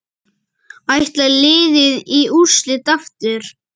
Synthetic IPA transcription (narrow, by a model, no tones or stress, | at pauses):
ajht̪lalɪːðɪðiuslɪt̪aft̪ʏɾ̥